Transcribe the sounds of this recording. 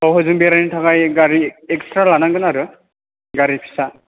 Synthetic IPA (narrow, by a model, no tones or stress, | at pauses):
ɔwɦɔzuŋbiɾanitʰakajɡaɾiɛkstɹalanaŋɡɯnaaɾɯ | ɡaɾipʰi̥sa